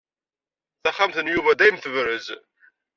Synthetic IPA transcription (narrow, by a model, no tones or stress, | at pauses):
θæχːamθənjuvæd̪æjəmθəvɾəz